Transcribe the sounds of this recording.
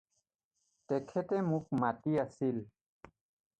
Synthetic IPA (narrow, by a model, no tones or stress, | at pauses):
t̪ekʰet̪emũk̚mat̪iasil